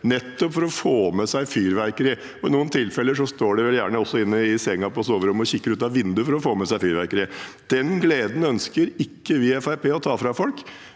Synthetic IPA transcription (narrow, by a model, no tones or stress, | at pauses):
nɛt̪ːɔpfɔɾɔfoːmɛsæɪfyːɾʋæɾkəɾɪ | ɔɪnuːənt̪ʰɪlfɛlːəʂɔst̪oːɖɛʋɛljæːɳəɔsːɔɪnːəɪsɛŋːɑpɔɔsoːʋəɾɔmːɔçɪkːəɾʉːt̪ɑʋʋɪnd̪ʉfɔɾɔfoːmɛsæɪfyːɾʋæɾkəɾɪd̪̥ɛnɡleːd̪n̩œnskəɾɪkːəʋɪɛfæɪpʰeːɔt̪ʰɑːfɾɑfɔlk